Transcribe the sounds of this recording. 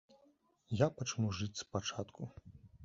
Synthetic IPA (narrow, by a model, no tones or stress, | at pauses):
japat͡ʂnuʐɨt͡sʲspat͡ʂat̪kʰu